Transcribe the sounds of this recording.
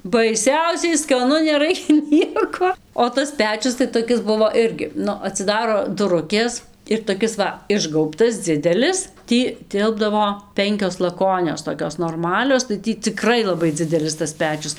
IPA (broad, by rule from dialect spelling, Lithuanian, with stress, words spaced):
bɐɪˈsʲɛʊsʲɛɪ skɐˈnʊ nʲɛˈrɐɪkʲɛ ˈnʲiɛkoː oː ˈtɐs ˈpʲæːt͡ʃʲʊs tɐɪ toːˈkʲɪs ˈbʊʋoː ˈɪrʲɡʲɪ ˈnʊ ɐtʲsʲɪˈdɑːroː dʊˈrʊkʲeːs ɪr toːˈkʲɪs ʋɐ ˈɪʒɡɐʊptɐs ˈd͡zʲɪdʲɛlʲɪs ˈtʲiː ˈtʲɪlˠbdɐʋoː ˈpʲɛŋʲkʲoːs lˠɐˈkoːnʲoːs toːˈkʲoːs noːrˈmɑːlʲoːs tɐɪ ˈtʲiː t͡sʲɪˈkrɐɪ lˠɐˈbɐɪ ˈd͡zʲɪdʲɛlʲɪs tɐs ˈpʲæːt͡ʃʲʊs